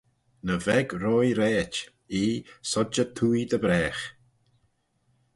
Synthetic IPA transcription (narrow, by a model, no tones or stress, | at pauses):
nəvɛɡɾɔːjɾɛːt | iːsɔd͡ʒət̪ʰuːjd̪əbɾɛːx